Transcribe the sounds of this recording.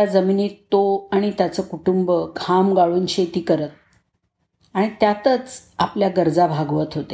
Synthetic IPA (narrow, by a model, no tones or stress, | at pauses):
ad͡zəminit̪ːoaɽ̃it̪jat͡səːkuʈumbəkʰamɡaɭuːnɕet̪iːkəɾət̪̚ | aɽ̃it̪jat̪ət͡sapljaɡəɾd͡zabʱaɡʋət̪ɦot̪e